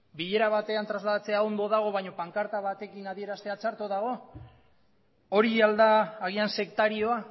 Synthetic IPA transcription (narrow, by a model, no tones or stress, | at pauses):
biʎe̞ɾaβat̪e̞ant̪ɾazlaðat͡se̞ao̞nd̪o̞ðaɣ̞o̞βajɲo̞paŋkaɾt̪aβat̪e̞kinaðie̞ɾast̪e̞at͡ʃaɾt̪uðaɣ̞o̞ | oɾiald̪aːɣ̞ianse̞kt̪aɾio̞a